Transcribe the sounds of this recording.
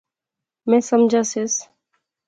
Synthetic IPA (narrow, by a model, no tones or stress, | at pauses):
mɛ̃səmd͡ʒʱases